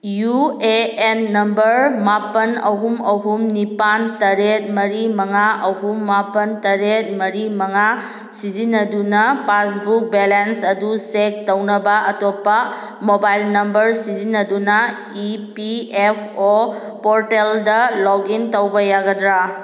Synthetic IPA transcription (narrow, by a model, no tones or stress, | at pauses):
jueenːɐmbɐɾmapɐnɐɦumɐɦumnipantɐɾet̚mɐɾimɐŋaʔɐɦumːapɐntɐɾet̚mɐɾimɐŋa | sizinɐdunɐpasbuk̚belensɐdusek̚tɐwnɐbɐʔɐtopːɐ | mobajlnɐmbɐɾsizinːɐdunɐ | ipiepʰo | poɾteldɐlɔɡintɐwbɐjaɡɐdɾa